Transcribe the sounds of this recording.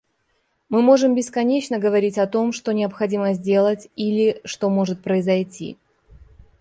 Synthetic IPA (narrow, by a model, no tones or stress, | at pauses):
mɨmo̞ʐɨmbʲɪskɐnʲet͡ɕnəɡəvɐɾʲitʲɐt̪o̞mʂt̪o̞nʲɪɐpxɐdʲiməzʲdʲe̞lˠətʲilʲɪʂt̪o̞mo̞ʐɨt̪̚pɾəɪzɐjtʲḭ